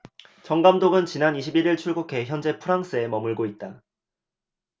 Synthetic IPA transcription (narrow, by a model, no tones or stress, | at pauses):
t͡ɕʌŋɡamdoɡɯnt͡ɕinaniɕʰibiɾiɭt͡ɕʰuɭɡukʰe̞çjʌnd͡ʑe̞pʰuɾaŋs͈ɯe̞mʌmɯɭɡoit̚t͈a